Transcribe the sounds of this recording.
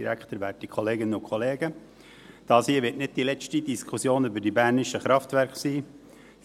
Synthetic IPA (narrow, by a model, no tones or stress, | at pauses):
iɾækχt̪əɾʋæːtikʰχoleːɡɪnəʊkʰχoleːɡə | d̥ɑːshiːəʋɪtnɪd̥̚d̥ilɛt͡ʃtidiskʰusjoːnybəɾdibæɾnɪʃəχɾɑftvæɾkχsiː